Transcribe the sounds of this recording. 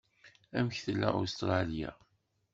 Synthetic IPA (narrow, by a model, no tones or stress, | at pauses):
æmçθəlːæ̰ʔost̪ɾˤɑlja̰